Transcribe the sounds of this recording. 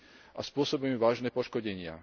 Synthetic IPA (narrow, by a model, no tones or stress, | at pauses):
ʔaspʊɔsɔbɛmuʋaːʒnɛːpɔʃkɔɟɛɲɪa̰